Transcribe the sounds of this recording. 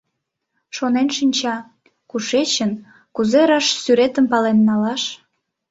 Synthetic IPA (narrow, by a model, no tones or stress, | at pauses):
ʃonenʃinʲt͡ɕɑ | kuʃet͡ɕən | kuzeɾɑʃsyɾet̪əmpɑlenːɑlɑʃ